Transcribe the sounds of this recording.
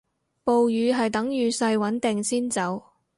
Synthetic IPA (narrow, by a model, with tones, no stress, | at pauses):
po˨wjyː˨˧ɦɐ˨jt̪ɐ˨˥ŋjyː˨˧sɐ˧jwɐ˨˥nt̪ɪ˨ŋsiː˥nt͡sɐ˨˥w